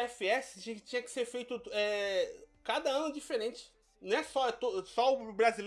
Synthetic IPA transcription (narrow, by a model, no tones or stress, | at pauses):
ɛfiɛsɪ̥t͡ʃĩt͡ʃĩɲɐkɪ̥seɾfejt̪ʊɛ | kad̪ɐɐ̃nʊd͡ʒifeɾẽnt͡ʃɪ̥ | nɐ̃w̃ɛsɔɛt̪osɔʊbɾazil